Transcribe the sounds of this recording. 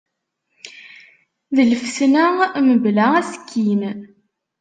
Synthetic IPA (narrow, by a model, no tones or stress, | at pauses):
ðələfsnæməblææsə̥kʰːin